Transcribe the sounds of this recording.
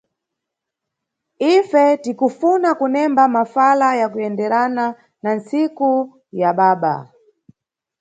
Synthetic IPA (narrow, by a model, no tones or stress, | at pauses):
ifɛtikufunakunɛmbamafalajakujɛndɛɾana | nan̩siku | jaɓaːɓa̰